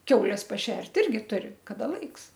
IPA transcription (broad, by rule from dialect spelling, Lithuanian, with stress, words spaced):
ˈkʲɛʊlʲɛs pɐˈʃʲɛrʲtʲ ˈɪrʲɡʲɪ ˈtʊrʲɪ kɐˈdɐ ˈlˠɐɪks